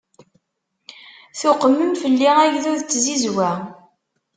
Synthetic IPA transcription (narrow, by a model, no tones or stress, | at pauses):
θʊqːmːəmfəlːiʁæʝðuðt͡sːzizwæ